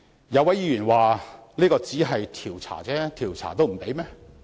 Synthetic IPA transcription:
jɐ˨˧wɐ˨˥jiː˨˧jyː˨˩nwaː˨liː˥kɔː˧t͡siː˨˥ɦɐ˨jt̪ʰiː˨˩wt͡sʰa̰ː˨˩t͡sɛː˦˥t̪ʰiː˨˩wt͡sʰa̰ː˨˩t̪̬o˥wm̩˨˩pe˨˥jmɛː˥

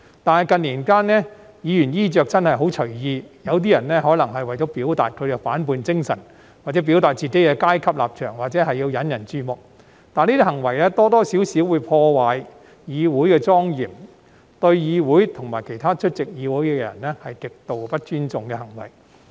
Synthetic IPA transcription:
t̪aː˨nhɐ˨˩jkɐ˧nliː˨˩nkaː˥nnɛː˥ | jiː˨˧jyː˨˩njiː˥t͡ʃœː˨˧k̚t͡sɐ˥nhɐ˨jɦo˨˥wt͡ʃʰɵ˨˩ɥjiː˧jɐ˨˧wt̪̬iː˥jɐ˨˩nlɛ˥ɦɔː˨˥lɐ˨˩ŋɦɐ˨jwɐ˨jt͡sɔ˨˥piː˨˥wt̪a̰ː˨t̚kʰɵ˧e˨˧faː˨˥npuː˧nt͡sɪ˥ŋsɐ̰˨˩n | waː˨t͡sɛː˨˥pi˨˥wt̪aː˨t̚t͡siː˨˩ke˨˥jkɛː˧kaː˥jkʰɐ˥p̚la̰ː˨p̚t͡ʃʰœ̰ː˨˩ŋwaː˨˩t̚t͡sɛː˨˥ɦɐ˨jːi˧wjɐ˨˥njɐ˨˩nt͡ʃyː˧˥mʊ˨k̚ | t̪aː˨˧niː˥t̪i˥hɐ˨˩ŋwɐ˨˩jlɛː˥t̪ɔː˥t̪ɔː˥siː˨˥wsiː˨˥wuː˨˧jpʰɔː˧waː˨j | jiː˨˧wuː˨˥jkɛː˧t͡sɔː˥ŋjiː˨˩m | t̪ɵ˧ɥjiː˨˧wuː˨˥jt̪ʰʊ˨˩ŋmaː˨˩jkʰe˨˩jt̪ʰaː˥t͡ʃʰɵ˥t̚t͡sɪ˨k̚jiː˨˧wuː˨˥jkɛ˧jɐ̰˨˩nlɛ˥hɐ˨jkɪ˨k̚t̪o˨wpɐ˥t̚t͡ʃyː˥nt͡sʊ˨ŋkɛ˧hɐ˨˩ŋwɐ̰˨˩j

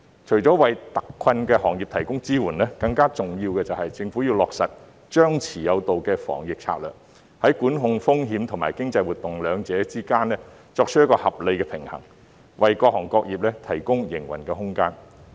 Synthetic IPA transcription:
t͡ʃʰɵ˨˩ɥt͡sɔː˨˥wɐ˨jt̪ɐ̥˨kʰːwɐ˧nkɛː˧hɔː˨˩ŋjiː˨p̚t̪ʰɐ˨˩jkʊ˥ŋt͡siː˥wuː˨˩nlɛː˥kɐ˧ŋkaː˥t͡sʊ˨ŋjiː˧wkɛː˧t͡sɐ˨whɐ˨jt͡sɪ˧ŋfu˨˥ji˧wlɔː˨k̚sɐ˨t̚ | t͡ʃœː˥ŋt͡sʰiː˨˩jɐ˨˧wt̪o˨wkɛː˧fɔ̰ː˨˩ŋjɪ˨k̚t͡sʰa̰ː˧t̚lœ̰ː˨˩k̚ | hɐ˨˥jkuː˨˥nɦʊ˧ŋfʊ˥ŋɦiː˨˥mt̪ʰʊ˨˩ŋma̰ː˨˩jkɪ˥ŋt͡sɐ˧jwuː˨˩t̪ːʊ˨ŋlœː˨˧ŋt͡sɛː˨˥t͡siː˥kaː˥nlɛː˥ | t͡sɔː˧k̚t͡ʃʰt̚jɐ˥kɔː˧hɐ˨p̚le˨˧kɛː˧pʰɪ˨˩ŋhɐ̰˨˩ŋ | wɐ˨jkɔː˧k̚hɔː˨˩ŋkɔː˧k̚jiː˨p̚lɛː˥t̪ʰɐ˨˩jkʊ˥ŋjɪ˨˩ŋwɐ̰˨˩nkɛː˧ɦʊ˥ŋkaː˥n

